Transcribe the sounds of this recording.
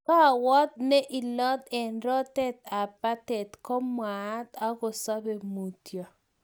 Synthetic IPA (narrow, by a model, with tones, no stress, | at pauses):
ka˦˨wɔ˦t̪̚nɛ˦ʔi˨lɔ˦t̪ɛ˨nɾɔ˦tɛ˦t̪a˨pa˦tɛ˨t̪kɔ˦mwa˨˦t̪a˦kɔ˨sa˦be˨mu˨tjɔ˨